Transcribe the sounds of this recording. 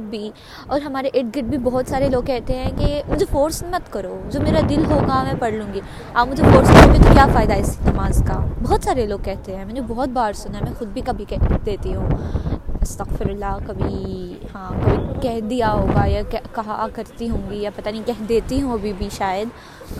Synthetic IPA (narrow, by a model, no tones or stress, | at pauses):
bʱi | ɔːɾɦɐmaːɾeʔɪʈ̚ɡɪʈ̚bʱibɔɦɔt̪saːɾeloːɡ̚kɛɦt̪eɦɛ̃kemʊd͡ʒʱefoːɾsmɐt̪kɐɾoːd͡ʒoːmeːɾad̪ɪlɦoːɡamɛ̃pɐɽlũːŋɡi | aːbmʊd͡ʒʱefoːɾsnõɡit̪okjaːfaːɪd̪aɪsnɐmaːzkabɔːt̪saːɾeloːɡ̚kɛɦt̪eɦɛ̃ːmɛːnbɔɦːɔt̪̚baːɾsʊnaɛmɛ̃xʊd̪̚bʱikɐbʱikɛd̪eːt̪iɦũː | ɐst̪ɐɣfɪɾɐlːaːkɐbʱihãːkoːikɛɦd̪ijaɦoːɡajakɛkɐɦakɐɾt̪iɦõːŋɡijapɐt̪anĩkɛɦd̪eːt̪iɦũɐbʱibʱiʃaːjəd̪